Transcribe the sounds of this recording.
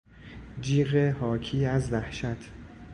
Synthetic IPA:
d͡ʒiːɣehɒːcʰiːæzvæhʃæt̪ʰ

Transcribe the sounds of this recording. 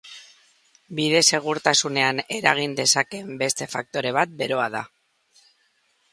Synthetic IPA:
biðe̞se̞ɣ̞uɾt̪asune̞ane̞ɾaɣ̞ind̪e̞sake̞mbe̞st̪e̞fak̚t̪o̞ɾe̞βat̪̚be̞ɾo̞aða̰

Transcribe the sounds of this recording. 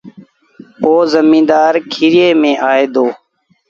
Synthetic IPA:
poːzəmĩːd̪aːɾkʰiɾɪeːmẽːʔaːeːd̪oː

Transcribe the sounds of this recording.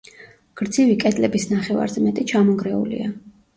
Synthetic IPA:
ɡ̥ɾd̪zivikʼɛd̪ʼlɛbisnaχɛva̰ɾzɛmɛt̪ʼit͡ʃʰamɔɡɾɛṵlḭa

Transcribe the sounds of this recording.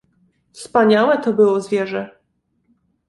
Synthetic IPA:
fspaɲawɛt̪ɔbɘwɔzvʲjɛʐɛ

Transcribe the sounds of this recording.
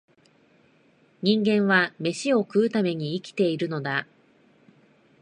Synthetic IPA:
ɲ̟ĩŋɡẽ̞ɰ̃βame̞ɕio̞kɯ̟ɯt̪ame̞ɲ̟iːkʲi̥t̪e̞iɾɯ̟no̞d̪a

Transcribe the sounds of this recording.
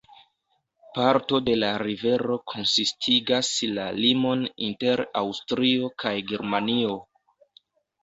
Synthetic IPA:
paɾto̞de̞laɾive̞ɾo̞kʰo̞nsistʰiɡaslalimo̞ninte̞ɾawstɾio̞kʰajɡeɾmanio̞

